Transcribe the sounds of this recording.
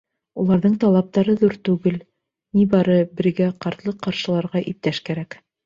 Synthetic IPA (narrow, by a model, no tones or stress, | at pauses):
ulˠɑɾðɤɴt̪ɑlˠɑp̚t̪ɑɾɤðuɾt̪ʉɡɘl | nibɑɾɤbɘ̆ɾɡæqɑɾt̪lˠɤqɑɾʃɤ̆lˠɑɾʁɑʔip̚t̪æʃkæɾæk